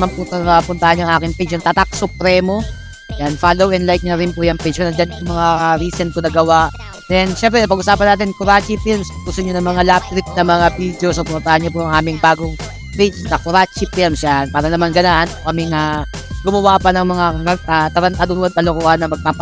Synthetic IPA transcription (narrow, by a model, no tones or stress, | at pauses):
manpʊt̪ɐpʊnt̪ɐhanaŋʔaːkɪŋpet͡ʃɐŋt̪at̪ak̚sʊpɾɛmo̞ | janfalowʔɛnlajk̚ɲɐɾɪnpujɐŋpet͡ʃkɐnɐd͡ʒɐnj̪ʊŋmɐŋaɾiːsɛnk̪ʊnɐɡɐwaʔ | d̪̥ɛnʃɛmp̬ɾɛɐpɐɡʔʊsaːpɐnaːt̪ɪnkʊɾat͡ʃifɪlmsɡʊst̪ʊɲʊnɐŋmɐŋalap̚t̪ɾɪk̚nɐmɐŋabid̪osɐpʊnt̪ɐhaɲɲɐpʊʔɐŋʔaːmɪŋbaːɡoŋ | pet͡ʃnɐkʊɾat͡ʃipilmsjanpaːɾɐnɐmanɡɐnaʔanokɐmɪŋa | ɡʊmɐwapɐnɐŋmɐŋakɐat̪ɐɾɐnt̪aːd̪ʊɐd̪̚ɐlokuʔɐnːɐmɐɡ̚paːp